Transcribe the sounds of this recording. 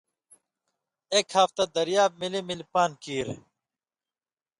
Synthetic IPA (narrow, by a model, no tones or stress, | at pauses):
eːkhaːft̪ɐd̪ɐɾjaːb̚milemilpaːnkiːɾ